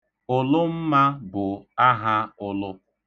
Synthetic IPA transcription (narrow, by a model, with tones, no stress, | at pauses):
ʊ˨lʊ˦m̩˦ma˦bʊ˨a˦ɦa˦ʊ˦lʊ˦